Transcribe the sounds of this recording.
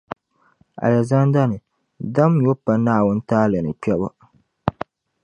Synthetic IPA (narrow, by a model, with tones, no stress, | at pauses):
a̰˨ja˨za˦n˦da˦nɨ˨ | da˦m˦jo˦pa˦naː˦˨wʊ˦n˦taː˦lɨ˨nɨ̰˨t͡ʃɛ˦ba̰˦